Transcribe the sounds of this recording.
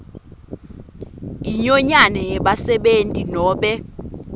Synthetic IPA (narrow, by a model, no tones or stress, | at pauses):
iɲɔɲanɛjɛɓasɛɓentʼinɔːɓɛ